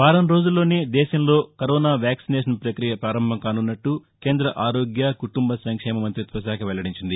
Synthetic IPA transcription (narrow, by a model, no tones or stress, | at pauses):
ʋaːɾɐmɾo̞ːd͡ʒulːo̞ːneːd̪ɛːʃɐmlo̞ːkɐɾɔːnaːʋjaːksinɛːʃ̬ɐnpɾɐkɾijɐpɾaːɾɐmbʱɐmkaːnunːɐʈːuke̞ːnd̪ɾɐʔaːɾoːɡjakuʈumbɐsɐŋkʂɛːmɐmɐnt̪ɾit̪ʋɐʃ̬aːkʰɐʋɛɭːɐɽiɲt͡ʃind̪i